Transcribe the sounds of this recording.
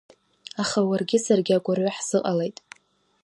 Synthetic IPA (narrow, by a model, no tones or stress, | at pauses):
aχawarɡʲɪsarɡʲɪakʷʼarʕʷaħz̥ɨqʼale̞jtʼ